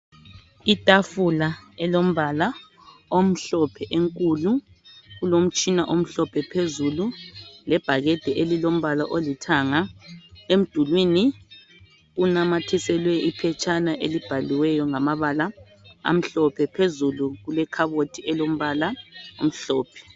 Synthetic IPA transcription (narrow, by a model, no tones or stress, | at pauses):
itʼafulaɛlom̩βala | om̩ɬɔpʰɛʔeŋkʼulu | ɣulom̩t͡ʃʼinaʔom̩ɬɔpʰɛpʰezululɛb̥ʱaɣɛd̥ʱɛʔelilom̩βalaʔolitʰaːŋaem̩d̥ʱulwini | ɣunamatʰisɛlwɛʔipʰɛt͡ʃʰʼanaʔelib̥ʱaliwɛjɔŋamaβala | a̰m̩ɬɔpʰɛpʰezuluɣulɛkʰaβotʰiɛlom̩βalao̰m̩ɬɔːpʰɛ̥